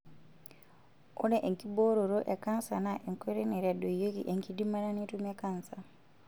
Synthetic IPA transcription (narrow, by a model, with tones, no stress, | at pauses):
o˦ne˦ʔe˨ŋkibo˦ɾo˨ɾo˦ʔe˨kansanaʔe˨ŋkoɾe˦ne˨ɾa˨do˨jo˦kḭ˦ʔe˨ŋkidi˦ma˦ɾa˦ni˦tumekansa